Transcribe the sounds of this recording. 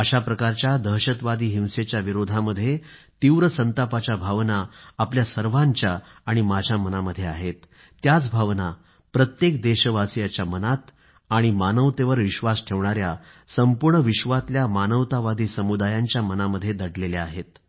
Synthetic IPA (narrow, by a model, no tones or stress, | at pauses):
əɕapɾəkaɾt͡ɕjad̪ʱəɦɕət̪ʋad̪ʱiːɦĩw̃set͡ɕjaʋiɾod̪ʱaməd̪ʱːjet̪iʋɾəsənt̪apat͡ɕjabʱaʋnaːpljasəɾʋaɲt͡ɕjaːɽ̃imad͡ʑʱamənaməd̪ʱːjeaɦet̪ː | jat͡sbʱaʋna | pɾət̪jek̚d̪eɕəʋasijat͡ɕjamənat̪ | aɽ̃imanəʋt̪eʋəɾʋiɕʋasʈʰeʋɳ̃aɾja | səmpuɾɳəʋiɕʋat̪ljamanəʋt̪aʋad̪ʱiːsəmud̪ajaɲt͡ɕjamənaməd̪ʱːjed̪əɽleleaɦet̪